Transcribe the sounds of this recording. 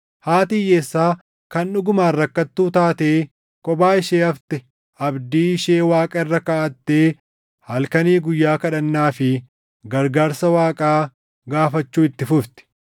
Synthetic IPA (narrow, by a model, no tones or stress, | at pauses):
haːt̪iːjeːsːaː | kɐnᶑʊɡʊmaːrːɐkːɐt̪ːuːt̪aːt̪eː | kʼɔbaːɪʃeːɐft̪ɛ | ʔɐbd̪iːɪʃeːwaːkʼɐɪrːɐkaːɐt̪ːeː | hɐlkɐniːɡʊjːaːkɐᶑɐnːaːfɪ | ɡɐɾɡaːɾsɐwaːkʼaː | ɡaːfɐt͡ʃːuːɪt̪ːɪfʊft̪ɛ̥